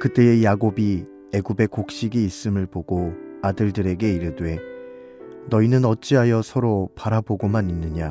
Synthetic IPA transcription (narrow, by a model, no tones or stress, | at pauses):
kɯt͈e̞ejaɡobi | e̞ɡube̞kok̚ɕ͈iɡiːs͈ɯmɯɭpoɡoadɯɭdɯɾe̞ɡe̞iɾɯdwe̞ | nʌinɯnʌt̚t͡ɕ͈iɦajʌsʰʌɾopaɾaboɡomaninːɯɲa